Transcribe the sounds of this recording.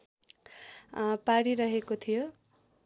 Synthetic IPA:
paɽiɾʌɦekot̪ʰijo

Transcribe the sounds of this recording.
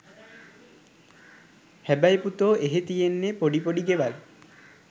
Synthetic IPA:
hæbajput̪oʔeɦet̪ijenːepoɖipoɽiɡeʋal

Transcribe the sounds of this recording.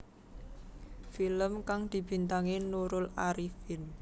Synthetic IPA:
filəmkaŋd̪̥i̤b̥i̤nt̪aŋenuɾʊlaɾifɪn

